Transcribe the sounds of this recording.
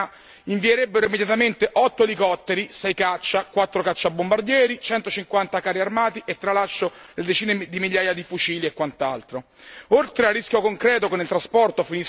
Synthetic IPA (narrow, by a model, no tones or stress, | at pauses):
iɱvieɾebːeɾoimːed̪jat̪ament̪eʔɔt̪ːoelikɔt̪ːeɾisɛjkat͡ʃːakwat̪ːɾokat͡ʃːabːombard̪jɛːɾit͡ʃɛnt̪ot͡ʃiŋkwant̪akaːɾiarmaːt̪iʔet̪ːɾalaʃːoled̪et͡ʃiːned̪imilʎjːaːjad̪ifut͡ʃiːliekːwant̪alt̪ɾo | olt̪ɾearːiskʲjokoŋkɾɛːt̪okenilt̪ɾaspɔrt̪ofinis